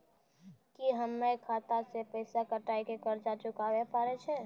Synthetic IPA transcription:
kiɦəmːekʰaːt̪asepɛːsakəʈaːikekəɾd͡ʒat͡ʃʊkaːʋepaːɾet͡ʃʰeː

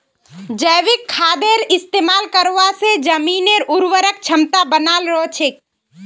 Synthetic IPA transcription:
d͡ʒəjʋɪkʰːaːd̪eɾɪst̪eːmaːlkəɾʋased͡ʒəmineɾʊɾwəɾək̚t͡ʃʰəmt̪abənaːlɾəot͡ʃʰek

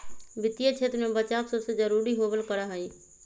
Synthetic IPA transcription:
bɪt̪ijet͡ʃʰet̪ɾmẽbət͡ʃaːbsosed͡ʒəɾuːɾiɦoːbəlkəɾaɦaĩː

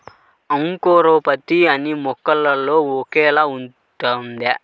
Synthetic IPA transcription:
ɐŋkoːɾoːpɐt̪iɐnimɔkːɐlːɐloːɔkɛːlaːun | t̪and̪e

